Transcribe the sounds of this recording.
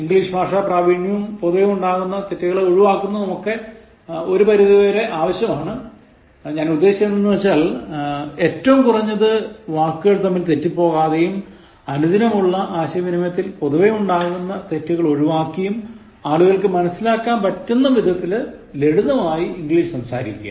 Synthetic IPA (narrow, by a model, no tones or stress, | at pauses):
iŋɡliːʂɨbaːʂaprɐːʋiɳjuːmpo̞ðuʋejuɳɖaːɣunːɐt̪etːiɣɐɭeo̞ɻuʋaːkːunːɐnɐmokːe̞ | o̞ɾupɐɾiðiʋeːɾe̞ʔaːʋɐɕjɐmaːɳɨ | ɲaːnud̪ːe̞ːɕit͡ɕenːenːɨʋɐt͡ɕːaːl | e̞ːtːɐʋumkurɐɲːɐðɨʋaːkːɨɣɐɭt̪ɐmːilt̪e̞tːipːo̞ːɣaːðejum | ɐnud̪ʱinɐmuɭːɐʔaːɕɐʋinimɐt̪ːilpo̞ðuʋejuɳɖaːɣunːɐt̪e̞tːuɣɐɭo̞ɻuʋaːkːɐjum | aːɭuɣɐɭkɨmɐnɐsːilaːkːaːnpɐtːunːɐʋid̪ʱɐt̪ːil | le̞ɽuðɐmaːjiiŋɡɭiːʂsɐmsa̰ːɾḭkʲːa̰